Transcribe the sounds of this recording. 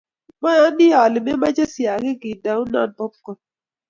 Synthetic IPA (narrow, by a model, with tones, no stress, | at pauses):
ma˦a˦nɪ˦a˨lɪ˨mɛ˦ma˦t͡ʃa˦sja˨ke˦ɡi˨da˨ʊ˦na̰˦˨npɔ˦p̚kɔ˨